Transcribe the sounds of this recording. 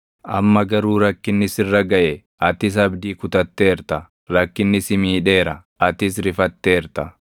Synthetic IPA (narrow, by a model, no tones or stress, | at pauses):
ʔɐ̰mːɐɡɐɾuːɾɐkːɪnːɪsɪrːɐɡɐʔɛ | ʔɐt̪ɪs̬ɐbd̪iːkʊt̪ɐt̪ːe̞ːɾt̪ɐ | ɾɐkːɪnːɪsɪmiːᶑe̞ːɾɐ | ɐt̪ɪsɾɪfɐt̪ːeːɾt̪ɐ